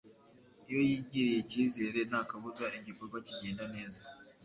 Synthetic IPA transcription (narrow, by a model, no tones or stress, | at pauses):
ijojiɟiɾijecizeɾenakaβuzaeɲɟipokaciɟeːndaneːza